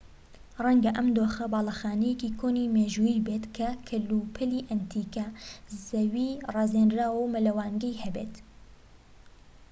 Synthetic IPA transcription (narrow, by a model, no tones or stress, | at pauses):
rɐŋɡɐʔɐmd̪oːxɐbɑːlˠɑxaːnɛjɛkikʰoːnimeːʒuːjiːbeːt̪kʰɐkʰɐlupʰɐliʔɐnt̪ʰiːkɐzɐwiːrɑːzend̪ɾaːwɐwmɐlɐwaːŋɡɐjhɐbeːt̪